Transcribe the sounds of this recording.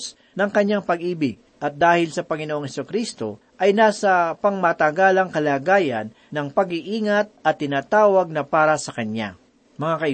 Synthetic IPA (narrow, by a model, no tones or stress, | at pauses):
s | nɐŋkɐɲaŋpɐɡʔiːbɪɡ̚ | ʔɐt̪̚d̪aːhɪlsɐpɐŋɪnoʔoŋhɛsʊkɾist̪o̞ | ʔɐjnaːsɐpɐŋmat̪aɡaːlɐŋkɐlaːɡaːjɐnːɐŋpɐɡɪʔiːŋɐt̪̚ɐt̪ːɪnaːt̪aːwɐɡ̚nɐpaːɾɐsɐkɐnja̰ | mɐŋakɐɪ